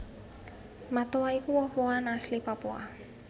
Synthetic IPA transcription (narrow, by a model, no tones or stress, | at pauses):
mat̪owaikuwɔhwoanaslipapua̰